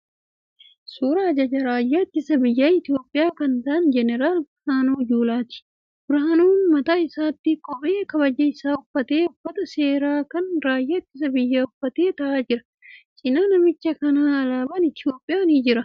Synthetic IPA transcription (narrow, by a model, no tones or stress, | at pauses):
suːɾɐːd͡ʒɐd͡ʒɐɾaːjːaːɐt̪ːɪsɐbɪjːaːɪt̪ɪjo̞ːpʼːɪjaːkɐnt̪ɐɐnd͡ʒɛnɛɾaːl | aːnoːd͡ʒuːlaːt̪ɪ̥ | bʊɾaːnuːnmɐt̪aːɪsaːt̪ːɪkʼɔbʔeːkɐβɐd͡ʒɐɪsaːʊfːɐt̪e̞ːʊfːɐt̪ɐseːɾaːkɐnɾaːjːaːɐt̪ːɪs̬ɐbɪjːaːʊfːɐt̪e̞ːt̪ɐʔaːd͡ʒɪɾɐ̥ | t͡ʃʼɪnaːnɐmɪt͡ʃːɐkɐnaːɐlaːbɐnɪt̪ɪjo̞ːpʼːɪjaːniːd͡ʒɪɾɐ